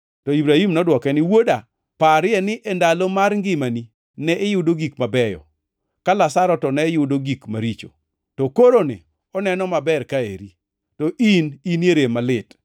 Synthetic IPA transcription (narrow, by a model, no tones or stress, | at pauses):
tɔibɾahimnɔdwɔkɛnɪwoda | paɾɪjɛnɪʔɛndalomaɾŋɡɪmani | nɛʔɪjʊdoɡikmabɛjɔ̰ | kalasaɾɔtɔnɛjʊdoɡikmaɾit͡ʃo̰ | tɔkoɾonɪ̰ | ɔnɛnɔmabɛrkaḛɾi | tɔʔinineɾemalɪt